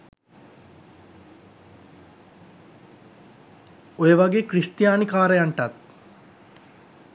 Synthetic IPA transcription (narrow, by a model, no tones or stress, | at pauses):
ojeʋɐɡeːkrist̪jaːnikaːɾejaɳʈɐt̪̚